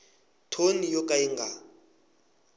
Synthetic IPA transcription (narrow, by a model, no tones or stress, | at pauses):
tʰonijokʼaiŋɡʱa